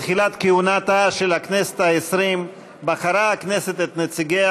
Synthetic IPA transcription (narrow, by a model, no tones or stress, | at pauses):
tχilat̪keunat̪aʃelhaknese̥t̪haesɾim | baχaɾaakneset̪et̪net͡siɡea